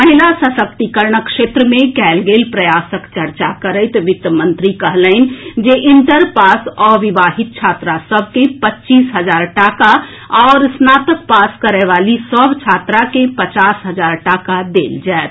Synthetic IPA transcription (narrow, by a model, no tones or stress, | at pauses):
məɦilasəsək̚t̪ikəɾɳəkʃet̪ɾəmẽkɛlɡelpɾəjasəkt͡ʃəɾt͡ʃakəɾəɪt̪ʋit̪jəmənt̪ɾikəɦləɪn̆d͡ʒeʔint̪əɾpasɔʋibaɦit̪̚t͡ʃʰat̪ɾasəbʱkẽpətːt͡ʃisɦəd͡ʒaːɾʈaka | ɔːɾsnat̪ək̚paskəɾɛʋalisəbʱt͡ʃʰat̪ɾakẽpət͡ʃasɦəd͡ʒaɾʈakad̪eld͡ʒaet̪